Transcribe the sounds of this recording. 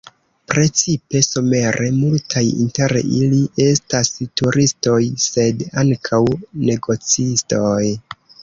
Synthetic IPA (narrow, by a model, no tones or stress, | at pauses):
pɾe̞t͡sipe̞some̞ɾʔe̞multʰajḭnte̞ɾiliʔe̞stastuɾʔisto̞jse̞daŋkʰawne̞ɡo̞t͡sisto̞j